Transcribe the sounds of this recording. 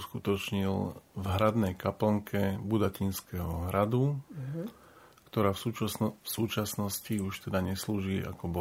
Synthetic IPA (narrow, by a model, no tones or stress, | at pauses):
uskut̪ɔt͡ʃɲilvɦɾad̪nɛjkapl̩ŋkʰɛbud̪acinskɛɦɔɦɾad̪u | kt̪ɔɾaː | suːt͡ʃasnɔsciuʃt̪ɛd̪aɲɛsluːʒiːa̰kɔbɔ